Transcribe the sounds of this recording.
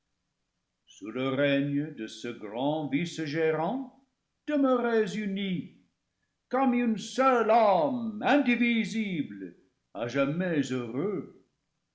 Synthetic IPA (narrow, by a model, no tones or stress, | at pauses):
suləʁɛɲəd̪əsəɡʁɑ̃visʒeʁɑ̃ | d̪̥əməʁɛzyni | kɔmynsœlɔmɛ̃d̪iviziblə | a̰ʒamɛzøʁø